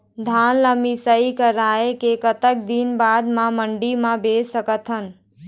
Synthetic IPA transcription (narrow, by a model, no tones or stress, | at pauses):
d̪ʱanləmisəikəɾaːekekət̪ək̚d̪inbaːd̪mãməɳɖimãbesəkət̪ʰɦən